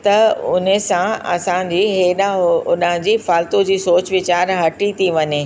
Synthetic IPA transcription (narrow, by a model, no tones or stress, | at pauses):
t̪ɐʊnesãɐ̰sãd͡ʑiːɦeɗʊnə̃d͡ʑiːfaːlt̪od͡ʑiːsoːt͡ɕʋɪt͡ɕaːɾɦɐʈit̪ʰiʋɐɲeː